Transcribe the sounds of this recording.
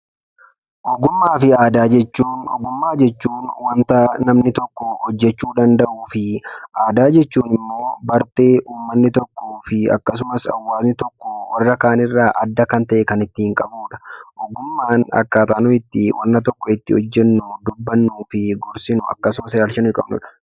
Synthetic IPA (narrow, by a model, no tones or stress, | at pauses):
ʔɔɡʊmːaːfɪaːd̪aːd͡ʒɛt͡ʃːuːnɔ̰ɡʊmːaːd͡ʒɛt͡ʃːuːnwɐnt̪ɐnɐmnɪt̪ɔkːɔhɔd͡ʒːɛt͡ʃːuːd̪ɐnd̪ɐʔuːfɪʔaːd̪aːd͡ʒɛt͡ʃːuːnɪmːo̞ːbɐɾt̪e̞ːʔuːmːɐnːɪt̪ɔkːoːfɪɐ̰kːɐs̬ʊmɐsɐ̰wːaːznɪt̪ɔkːɔwɐrːɐkaːnɪrːaːʔɐd̪ːɐkɐnt̪ɐʔɛkɐnɪt̪ːɪɪŋkʼɐbuːᶑɐ̥ʔɔɡʊmːaːnɐ̰kːaːt̪aːnʊɪt̪ːɪwʔɐ̰nːɐt̪ɔkːɔɪt̪ːɪhɔd͡ʒːɛnːud̪ʊbːɐnːuːfɪɡɔɾsɪnʊɐ̰kːɐsʊmɐsɪɾɐɾʃɐnɪkʼɐ̰bnʊ̰ᶑɐ̥